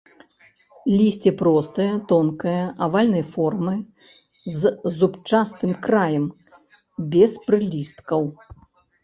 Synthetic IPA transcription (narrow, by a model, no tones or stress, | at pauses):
lʲisʲt͡sʲɛpɾɔst̪ɨjɐt̪ɔnkɐjɐʔavalʲnɨjfɔrmɨ | zzupt͡ʂast̪ɨmkɾajɛm | bʲɛspɾɨlʲist̪kɐw